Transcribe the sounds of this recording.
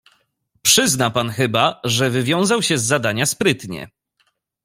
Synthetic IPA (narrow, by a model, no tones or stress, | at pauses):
pʂɘznapanxɘbaʐɛvɘvʲjɔ̃w̃zawɕɛzːad̪aɲaspɾɘt̪ɲɛ̰